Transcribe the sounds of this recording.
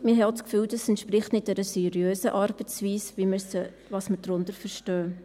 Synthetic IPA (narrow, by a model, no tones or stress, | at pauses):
mɪɦɛot͡skfyːldɑsɛntʃpɾɪχtnɪt̚dɛɾəsɛɾjøːsəʔɑɾb̥ət͡sviːsʋiməs | vɑsməɾdɾʊndəɾfəɾʃtœː